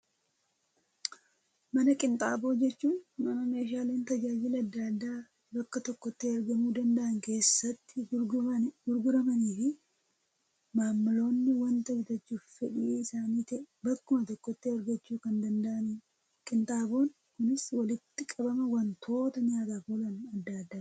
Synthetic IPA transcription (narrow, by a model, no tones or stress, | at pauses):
mɐnɐkʼɪnt̪ʼaːbo̞ːd͡ʒɛt͡ʃːuːnmɐnɐme̞ːʃaːle̞ːnt̪ɐd͡ʒaːd͡ʒɪlɐd̪ːad̪ːaː | bɐkːɐt̪ɔkːɔt̪ːɪɐɾɡɐmuːd̪ɐnd̪ɐʔɐŋke̞ːsːɐt̪ːɪ | ɡʊɾɡʊɾɐmɐniːfɪ | maːmːɪlo̞ːnːɪwɐnt̪ɐɡɪt̪ɐt͡ʃːuːffɛᶑɪːɪsaːniːt̪ɛbɐkːʊmɐt̪ɔkːɔt̪ːɪɐɾɡɐt͡ʃːuːkɐnd̪ɐnd̪ɐʔɐn | kʼɪnt̪ʼaːbo̞ːn | kʊnɪswɐlɪt̪ːɪkʼɐbɐmɐwɐnt̪ʰo̞ːt̪ɐɲaːt̪aːfolɐnɐd̪ːad̪ːaː